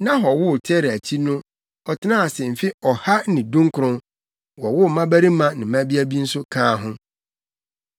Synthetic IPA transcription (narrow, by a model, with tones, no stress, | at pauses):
nã˦ɦɔ˨wʊ˦˨tʰɛ˦ɾæ˨t͡ɕʰi˦nʊ̃˦ | ɔ˨tʰɪ˦nã˦a˨sɛ˨m̩˨fi˦ɔ˨ha˦nɪ̃˨dũ˦ŋ˦kʰʊ˨ɾʊ̃˦n | wɔ˨wʊ˦˨mã˦bæ˦ɾi˦mã˦nɪ̃˨mæ̃˦bi˦æ˦bi˦n̩˦sʊ˦kʰãː˦˨ɦʊ̃˦